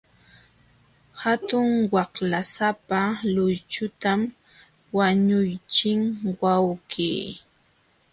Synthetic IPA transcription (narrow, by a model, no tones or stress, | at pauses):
hat̪ʊŋwɑhlasapalʊjt͡ʃʊt̪am | waɲʊjt͡ʃɪŋwawkiː